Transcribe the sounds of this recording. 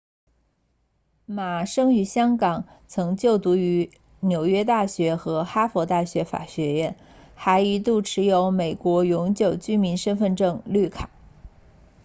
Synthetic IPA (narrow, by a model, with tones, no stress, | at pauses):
ma˨˩ʂɤ˥ŋy˧˥ɕjɑ˥ŋkɑ˨˩ŋ | t͡sʰɤ˧˥ŋt͡ɕjo˥˩ʊt̪u˧˥y˧˥ | njo˨˩ʊɥɛ˥t̪a˥˩ɕɥɛ˧˥xɤ˧˥xa˥fwɔ˧˥t̪a˥˩ɕɥɛ˧˥fa̰˨˩ɕɥɛ˧˥jɛ˥˩n | xa˧˥ɪi˧˥t̪u˥˩ʈ͡ʂʰɻ̩˧˥jo˧˥ʊme˨˩ɪkwɔ˧˥jʊ˧˥ŋt͡ɕjo˨˩ʊt͡ɕy˥mi˧˥nʂə˥nfə˥˧nʈ͡ʂɤ˥˧ŋly˥˩kʰa˨˩˦